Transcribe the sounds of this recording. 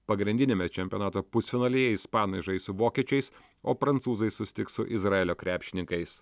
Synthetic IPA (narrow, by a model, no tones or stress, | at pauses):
pɐɡɾʲɪnʲd̪ʲɪnʲemʲɛt͡ʃʲɛmʲpʲjonɑːt̪oːpʊsʲfʲɪnɐːlʲeːjɛɪspɑːnɐɪʒɐɪsʊʋoːkʲiɛt͡ʃʲɛɪs | oːpɾɐnt̪suːzɐɪssʊsʲɪ̥t̪ʲɪksʊʔɪzɾɑeːlʲoːkɾʲæːpʲʃʲɪnʲɪŋkɐɪs